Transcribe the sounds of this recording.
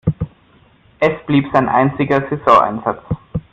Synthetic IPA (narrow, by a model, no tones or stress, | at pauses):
ʔɛsb̥liːpz̥aɪnʔa̰ɪnt͡sɪɡɐzezɔ̃ʔa̰ɪnzat͡s